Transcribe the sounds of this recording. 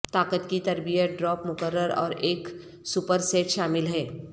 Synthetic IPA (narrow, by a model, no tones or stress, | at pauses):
t̪aːkət̪kit̪ɐɾbijət̚ɖɾɔːpmʊkəɾːəɾɔ̰ːɾeːk | supəɾseːʈʃaːmɪlɦɛː